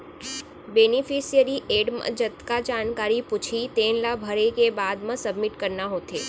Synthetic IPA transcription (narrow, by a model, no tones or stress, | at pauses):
beːnɪfʰisijəɾiʔeːɖmə̰d͡ʒət̪kad͡ʒaːnkaːɾipʊt͡ʃʰit̪eːnlabʱəɾekebaːd̪mə̃səbmɪʈkəɾnaɦoːt̪eː